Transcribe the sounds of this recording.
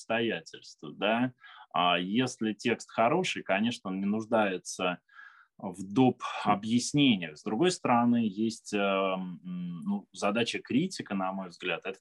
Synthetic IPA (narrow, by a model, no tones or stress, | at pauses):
st̪ɐjætʲɪlʲst̪vəd̪aajesʲlʲɪtʲe̞kst̪xɐɾo̞ʂɨjkɐnʲe̞ʂnəonnʲɪnʊʐd̪ajɪt̪sə | vd̪opɐbjɪsʲnʲenʲɪjəzd̪ɾʊɡo̞jst̪əɾɐnɨjesʲtʲə | nuzɐd̪at͡ɕəkɾʲitʲɪkənɐmo̞jvzɡlʲæt̪ɛt̪ə